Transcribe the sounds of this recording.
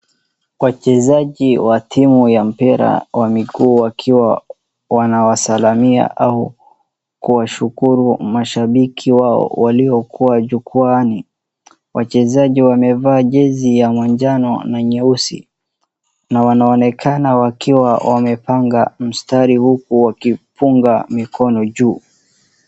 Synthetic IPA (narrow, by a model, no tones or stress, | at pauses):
wat͡ʃɛzaʄiwatʰimujam̩piɾa̰wamiɡuːwakʰiwa | wanawasalamia̰ʔau | kuwaʃukuɾumaʃaɓikʰiwaɔ̰waliɔkʰuwaʄukuani | wʔat͡ʃɛzaʄiwamɛvaːʄɛzijamwaɲd͡ʒanɔnaɲɛusḭ | nawanaɔnɛkʰanawakiwawamɛpaŋɡam̩staɾihukuwakipuŋɡamikʰɔnɔʄuː